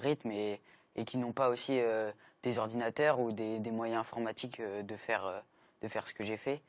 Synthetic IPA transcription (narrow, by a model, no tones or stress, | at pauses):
ʁit̪me | ekʲinɔ̃paosiød̪̥ezɔʁd̪inat̪œʁud̪ed̪emwajɛ̃ɛ̃fɔʁmat̪ikød̪əfɛʁø | d̪̥əfɛʁsə̥kəʒefɛ